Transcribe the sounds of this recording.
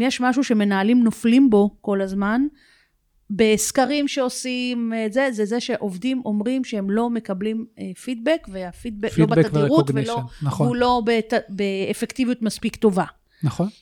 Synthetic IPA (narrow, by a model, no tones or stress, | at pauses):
jeʃmaʃuʃe̞me̞naːlimno̞flimbo̞ko̞lazman | be̞skaʁimʃe̞o̞simzezezeʃe̞ʔo̞vdimʔo̞mʁimʃehemlo̞me̞kɐblimefid̚bekveafid̪̚beklobat̪avʁutvelonaχulo̞betabeːfe̞kt̪ivijutmaspikt̪o̞va | nɐχon